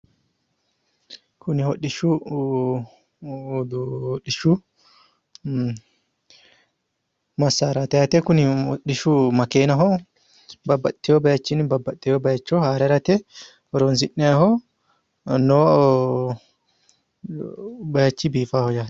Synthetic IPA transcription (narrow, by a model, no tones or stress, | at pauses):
kunihoɗːiʃu | duoɗːiʃu | masaɾat̪ɛhat̪ɛkunioɗːiʃumakɛnaɦɔ | babat̪ːiɔbajat͡ʃːinibabat̪ːɛjɔbajat͡ʃːɔhaɾɛɾat̪ɛ | ɔɾɔnzinːɛhɔ | nɔ | bajat͡ʃːibifahɔd͡ʒa